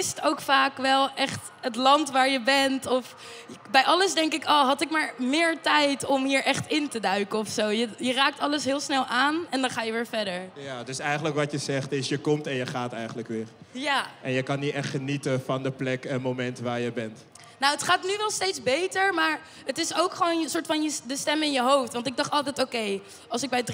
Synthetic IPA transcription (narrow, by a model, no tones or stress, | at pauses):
ɪstowkfaːkʋɛlˠʔɛχt | ɦətlɑntʋaːɹjəbɛntɔf | bɛjʔɑləsdɛŋkɪkoːɦɑtɪkmaːɹmɪːɹtɛjtɔmɦiːɹʔɛχtɪntədœɥkəɔfsowjəjəraːk̚tɑləsɦɪːlˠsnɛlˠʔaːnɛndɑnχaːjəʋɪːɹfɛɹdəɹjaːdɵsɛjχənləkʋɑtjəzɛχtɪsjəkɔmtɛnjəχaːtɛjχənləkʋɪːɹjaːʔɛnjəkɑnitɛχtχənitəfɑndəplɛkənmowmɛntʋaːɹjəbɛnt | nowətχaːtnyʋɛlˠstejtzbejtəɹmaːɹ | ətɪsowkχəʋoːnsʊːɹtfɑnjədəstɛmɪnjəɦowftʋɑntɪɡ̚dɑχtɑlˠtɛjtowkej | ɑlˠsɪɡ̚bɛjd